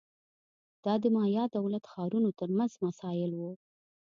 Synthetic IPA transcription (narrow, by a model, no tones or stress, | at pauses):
d̪̥ɑd̪əmɑjɑd̪awlat̪xɑɾunot̪əɾmanzmasɑjɪlwu